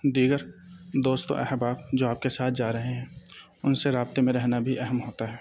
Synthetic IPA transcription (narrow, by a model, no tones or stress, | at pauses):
d̪iːɡəɾd̪oːst̪o̰ʔɛ̰ɦbaːb̚d͡ʒoːaːp̚kesaːt̪ʰd͡ʒaːɾɐɦeɦɛ̃ːʊnseɾaːb̚t̪emẽɾɛɦnabʱiʔɛɦɛmɦoːt̪aɦɛː